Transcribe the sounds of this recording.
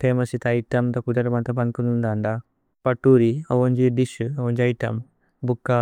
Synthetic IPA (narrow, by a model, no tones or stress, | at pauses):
t̪ʰeːmɐsit̪ɐjʈɐmt̪ɐkud̪ɐɾɐmɐnt̪ɐbɐnkunund̪ɐɳɖa | pɐʈːuːɾiɐʋɐɲd͡ʒiɖiʃuɐʋond͡ʒɐjʈɐm | bukːa